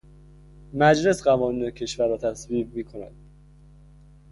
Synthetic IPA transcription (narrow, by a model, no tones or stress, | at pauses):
mæd͡ʒle̞sɢævɒːniːnecʰe̞ʃvæɾːɒːt̪ʰæsviːbmiːkʰo̞næ̰d̪̥